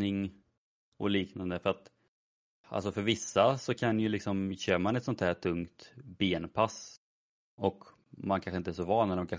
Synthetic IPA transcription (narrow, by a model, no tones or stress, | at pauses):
ɪŋ | ɔ̰liːknand̪əfœɾat̪ | ʔa̰ls̬ɔfœɾvɪsːasɔkʰanjɵlɪksɔmɕøːɾmanɛt̪sɔnt̪ʰhæːʈʰɵŋkt̪beːnpʰas | ɔk | mankʰanɳɧəɪnt̪əɛæːʂɔvɑːnːɛɾmkʰa